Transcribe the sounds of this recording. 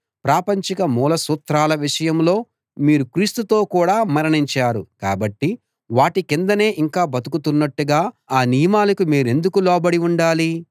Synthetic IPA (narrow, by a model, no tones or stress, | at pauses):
pɾaːpɐɲt͡ʃikɐmuːlɐsuːt̪ɾaːlɐʋiʂɐjɐmlo̞ː | miːɾukɾiːst̪ut̪o̞ːkuːɽaːmɐɾɐɳiɲt͡ʃaːɾṵka̰ːbɐʈːi | ʋaːʈikind̪ɐne̞ːʔiŋkaːbɐt̪ukut̪unːɐʈːuɡaːaːnijɐmaːlɐkumiːɾe̞nd̪ukulɔːbɐɽiuɳɖaːli